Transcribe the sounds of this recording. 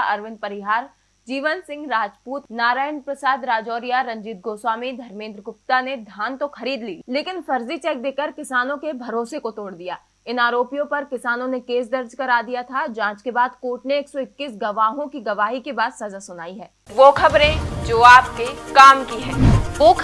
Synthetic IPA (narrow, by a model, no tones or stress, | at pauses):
ɐɾʋɪ̃nd̪̚pɐɾɪɦaːɾ | d͡ʒiːʋənsɪ̃ŋɡɾaːd͡ʒpuːt̪naːɾaːjənpɾɐsaːd̪ɾaːd͡ʒɔːɾijaɾɐ̃ɲd͡ʒiːt̪̚ɡoːswaːmĩd̪ʱɐɾmẽːnd̪ɾəkʊp̚t̪aned̪ʱaːnt̪oxɐɾiːd̪liːleːkɪnfɐɾzit͡ʃɛːk̚d̪eːkəɾkɪsaːnõkebʱɐɾoːsekot̪oːɽd̪ijaː | ɪnaːɾoːpijõpɐɾkɪsaːnõnekeːs̬d̪ɐɾd͡ʒkɐɾaːd̪ijat̪ʰad͡ʒãːt͡ʃkebaːd̪koːʈneːksɔɪkːiːsɡɐʋaːɦõkiɡɐʋaːɦikebaːd̪sɐzasʊnaːiɦɛː | ʋoːkʰɐbɾẽd͡ʒoːaːp̚kekaːmkiɦɛ̃ːoː